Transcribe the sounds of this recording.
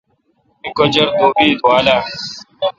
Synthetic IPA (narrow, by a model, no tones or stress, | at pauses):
ikod͡ʑɐɾd̪oːbiːd̪ʱwaːlaː